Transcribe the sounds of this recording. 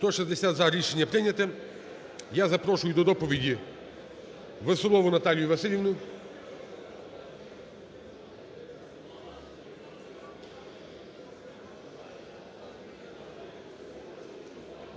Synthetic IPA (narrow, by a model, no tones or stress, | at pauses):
t̪ɔʃɛzd̪esʲad̪zaɾʲiʃenʲːɐpɾɪnʲɐt̪ɛ | jazɐpɾɔʃʊjʊd̪ɔd̪ɔpɔʋʲidʲi | ʋesɔlˠɔʋʊnɐt̪alʲjʊʋɐsɪlʲjiʋnʊ